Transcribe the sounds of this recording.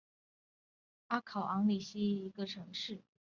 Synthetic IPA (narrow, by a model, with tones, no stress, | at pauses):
a˥kʰɑ˨˩ʊʔɑ˧˥ŋli˨˩ɕi˥˨i˧˥ɡə˧ʈ͡ʂʰɤ˧˥ŋʂɻ̩˥˩